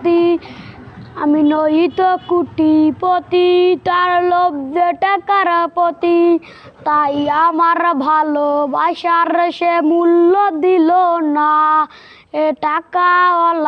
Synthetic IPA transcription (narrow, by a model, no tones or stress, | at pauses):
t̪i | aminojit̪ɔkuʈipɔt̪it̪aɾlɔbjeʈəkaɾpɔt̪i | t̪aiamaɾbʱalobʱaʃaɾʃemulːɔd̪ilona | eʈakaɔl